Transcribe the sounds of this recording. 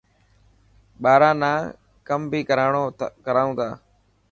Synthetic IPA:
ɓaːɾãːnãː | kəmbʱiːkəɾaːɳoːkəɾaːũːt̪aː

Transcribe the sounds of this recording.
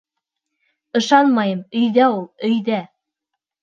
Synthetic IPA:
ɤ̆ʃɑnmɑjɤmɵ̆jðæulˠɵ̆jðæ

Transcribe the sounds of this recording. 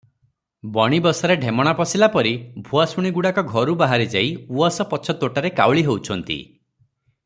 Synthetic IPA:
bɔɽ̃ibɔsɔɾeɖʱemɔɽ̃apɔsilapɔɾibʱuasuɽ̃iɡuɽakɔɡʱɔɾubaɦaɾed͡ʒajuɔsɔpɔt͡ʃʰɔt̪oʈaɾekawɭiɦewt͡ʃʰɔnt̪ḭ

